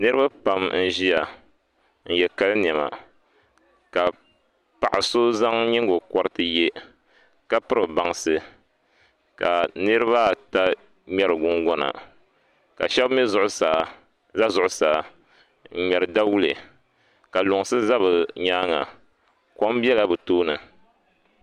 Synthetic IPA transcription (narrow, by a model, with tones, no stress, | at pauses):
nɨ˦ɾɨ˦ba˦pa˨mn̩˦ʒi˦a˨ | n̩˨jɛ˨ka˦lɨ˦n˨ɛ˨ma̰˨ | ka˨ | pa˨ʔa˨soː˦za˦ŋɲi˦ŋɡo˨kɔ˦ɾɨ˦tɨ˦jɛ˦ | ka˦pɨ˦ɾɨ˨ba˨ŋsɨ˨ | ka˨nɨ˦ɾɨ˦βa˦˨ta˦ | ɲɛ˦ɾɨ˨ɡʊ˦ŋɡɔ˦na̰˨ | ka˨ʃɛ˦bmɛ˦zʊ˨ʔʊ˦sa˨ | za˦zʊ˨ʔʊ˦saː˨ | ɲ̩˨ɲɛ˨ɾɨ˨da˦wu˦lɨ˨ | ka˨lʊ˨ŋ˨sɨ˦za˦βɨ˨ɲaː˦ŋa̰˨ | kɔ˦m˦bjɛ˦la˦bɨ˨toː˦nɨ˨